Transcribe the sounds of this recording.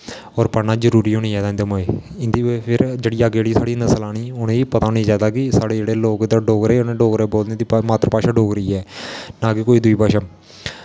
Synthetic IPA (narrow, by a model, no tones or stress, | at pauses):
ɔːɾpənaːzəɾuːɾiːoñĩːɛːd̪ãɪnd̪eːmoeːɪnd̪iːopʰɪɾd͡ʒeːɽiːaːɡeːɽiːsaːɽiːnəsəlaːɽ̃iːʊnẽːiːpət̪aːʊnĩːd͡ʒaːd̪aːkɪsaːɽeːd͡ʒeːɽeːloːkd̪aːɖoːkɾeːnẽːɖoːkɾeːboːld̪eːd̪imaːt̪ɾəpaːʃaːɖoːkɾəiːɛːnãːkɪkoːiːd̪ʊiːpaːʃəm